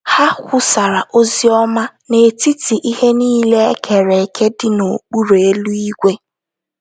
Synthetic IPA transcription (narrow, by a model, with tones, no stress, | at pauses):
ha˦kʷʊ˦sa˨ɾa˨ʔo˦zi˦ɔ˦ma˦ne˨ti˦ti˨ʔi˦he˦niː˦le˦e˦kʰe˨ɾe˨kʰe˦dɪ˦no˨k͡pu˦ɾe˨e˦lu˦i˦ɡʷe˦